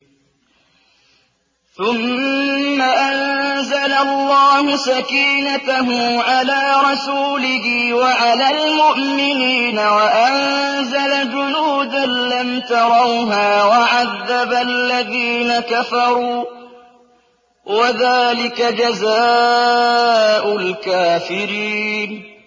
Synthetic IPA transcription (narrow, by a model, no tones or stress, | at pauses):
θʊmː | aʔanzalalːɑːhʊsakiːnat̪aɦʊmʕalaːɾˤɑsuːlɪɦɪwaʕalaːlmʊʔmɪniːnawaʔanzalad͡ʒʊnuːd̪anːamt̪ɑɾˤɑwɦaːwaʕaðːabalːaðiːnakafɑɾˤuː | waðaːlɪkad͡ʒazaː | ʔʊlkaːfɪɾiːn